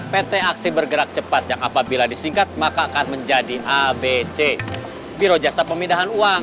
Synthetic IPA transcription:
pet̪eaksibərɡəɾak̚t͡ʃəpat̪̚jaŋapabiladisiŋkat̪̚makaːkanməɲd͡ʒadiʔabet͡ʃe | biɾod͡ʒasapəmindaɦanuaŋ

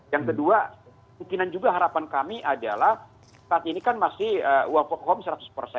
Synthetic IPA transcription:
jaŋkədua | uŋkinand͡ʒuɡaɦaɾapankamiʔadalah | saat̪̚inikanmasɪhəuwaŋfɔk̚hɔmsəɾat̪ʊ̥spərsɛ

